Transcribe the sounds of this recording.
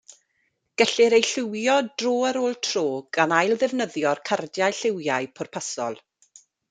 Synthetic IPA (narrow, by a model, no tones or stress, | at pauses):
ɡ̥əɬɪɾejɬɪwjɔdroːəɾoːlˠtʰroːɡanajlˠðɛvnəðjɔrkʰardjajɬɪwjajpʰɔrpʰasɔ̰lˠ